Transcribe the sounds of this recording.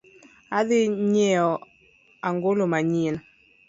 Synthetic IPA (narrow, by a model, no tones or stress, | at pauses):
aðɪɲɛɔ | aŋɡolomaɲin